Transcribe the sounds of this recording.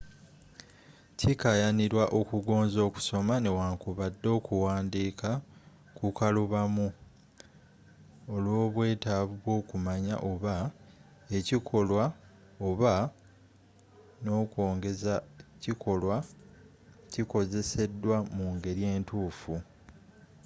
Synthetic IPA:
cikajaniɾwaʔo̞kuɡo̞ːnzo̞ːku̥so̞mane̞waːŋkuβadːo̞ːkuwaːndiːka | kukaluβamu | olwo̞ːβwe̞ːtaβuβwo̞ːkumaɲa̰ʔo̞βa | e̞cikʰo̞lwa | oβa | no̞ːkwo̞ːŋɡe̞zacikʰo̞lwa | ciko̞ze̞se̞dːwamuŋɡe̞ɾije̞ːntuːfu

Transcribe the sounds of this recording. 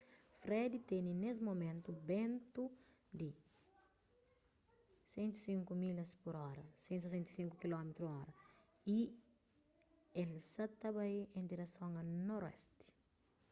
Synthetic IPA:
fɾɛd̪it̪enines̬momẽnt̪ubẽnt̪u | d̪i | sẽnt̪u̥sĩŋkumilɐspoɾɔɾɐsẽnt̪sesẽnt̪i̥sĩŋkukilɔmet̪ɾuɔɾɐ | i | elsɐt̪ɐbaiẽnd̪iɾɐsõŋɐnoɾɛ̰st̪i̥

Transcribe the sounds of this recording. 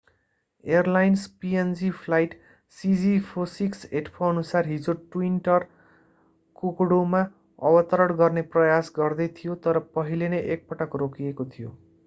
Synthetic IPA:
erlajnspiend͡zipʰlajʈ | sid͡zipʰosikseʈpʰoʌnusarɦid͡zoʈwinʈʌr | kokɽoma | ʌ̰bʌt̪ʌɾʌɽɡʌrneprʌjasɡʌrd̪ʌjt̪ʰijot̪ʌɾʌpʌɦilenʌjʔek̚pʌʈʌkrokiekot̪ʰijo

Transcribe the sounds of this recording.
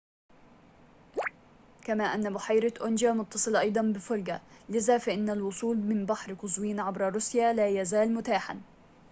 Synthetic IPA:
kamaːʔanːabʊħajɾaʔʊnd͡ʒamʊt̪ːɑsˤɨlʔɑjd̪ˤɑnbɪfʊlɡalɪzaːfaʔɪnːalwʊsˤuːlmɪnbaħɾqʊzwiːnʕabɾɑɾˤʊsjaːlaːjazaːlmʊt̪aːħa̰n

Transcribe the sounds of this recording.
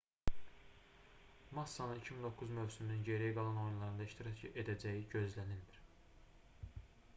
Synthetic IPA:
mɑsːɑnɯnicʰimind̪o̞kʰːuzmø̞vsyminynɟe̞ɾijiɡɑlˠɑno̞junlˠɑɾɯnd̪ɑiʃt̪ʰiɾɑcʰed̪æd͡ʒæjiɟø̞zlænilmiɾ̥

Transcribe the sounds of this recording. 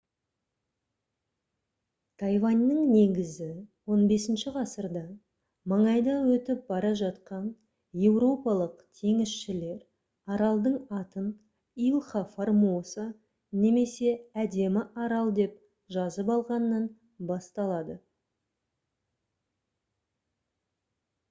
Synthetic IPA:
t̪ʰɑjvɑnʲːəŋne̞ɡʲɪzɪwo̞nbe̞sɪnʃɪʁɑsəɾd̪ɑ | mɑɴɑjd̪ɑwɵt̪ɪp̚bɑɾɑʒɑt̪qɑn | je̞wɾo̞pɑlˠəqt̪ʰe̞ŋɪsʃɪle̞ɾ | ɑɾɑlˠd̪əɴɑt̪ən | ijlˠχɑformuosə | ne̞me̞se̞æd̪e̞mɪʔɑɾɑlˠd̪e̞p | ʒɑzəpɑlˠʁɑnːɑn | bɑst̪ɑlˠɑd̪ə

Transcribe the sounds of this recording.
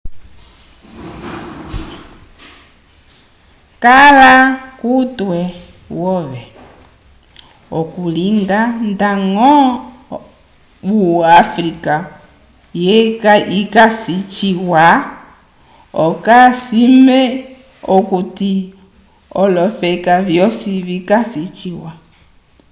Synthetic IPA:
kalakutwɛ | wɔʋɛ | ɔkuliŋɡandaŋɔ | βuafɾika | jɛkaikasit͡ʃiwa | ɔkasimɛ | ɔkuti | ɔlɔfɛkavjɔsiβikasit͡ʃiwa

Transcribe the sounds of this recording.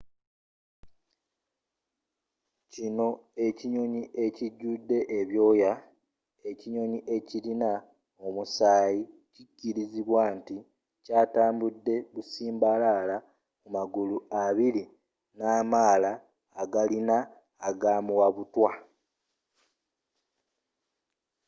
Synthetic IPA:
cino̞e̞ciɲo̞ɲiʔe̞ciɟːudːe̞ʔeβjo̞ːja | e̞ciɲo̞ɲiʔe̞cilina | o̞musaːji | cicːiɾiziβwaːnti | caːtaːmbudːe̞βusiːmbalala | mumaɡuluaβili | naːmaːlaː | ɡalinaː | ɡaːmuwaβutwa

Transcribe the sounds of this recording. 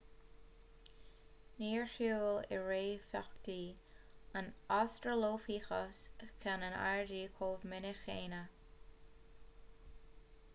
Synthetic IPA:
niːɹxuːlɪ̰ɹeːfakt̪iː | ənastɹəloːfiːxəskʰanəna̰ɹdiːkʰoːvmɪnɪxeːnə

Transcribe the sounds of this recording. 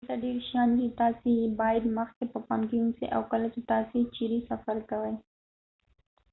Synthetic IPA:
t̪aɖeɾʃjɑnd̪it̪ɑsebɑjad̪məxkepəpamkiunsḛʔawkəlat͡ʃet̪ɑset͡ʃiɾisafaɾkawəj

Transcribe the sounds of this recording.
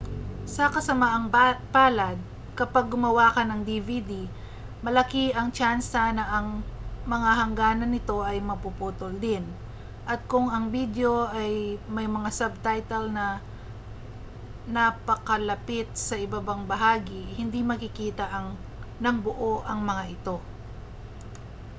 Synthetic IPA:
sɐkɐsɐmaʔɐŋpaːlɐd̪̚ | kɐpaɡ̚ːʊmɐwakɐnɐŋd̪ivid̪i | mɐlɐkiɐŋt͡ʃansanɐʔɐŋmɐŋahɐŋɡaːnɐnɪt̪o̞ʔɐjmɐpupuːt̪old̪ɪn | ʔɐt̪̚kʊŋɐŋbid̪jo̞ʔɐjmɐjmɐŋasɐb̚t̪ajt̪ɛlnɐ | nɐpɐkɐlɐpɪt̪̚sɐʔɪbabaŋbɐɦaːɡɪhɪnd̪imɐkɪkiːt̪ɐʔɐŋ | nɐŋbʊʔo̞ʔɐŋmɐŋaʔɪt̪o̞

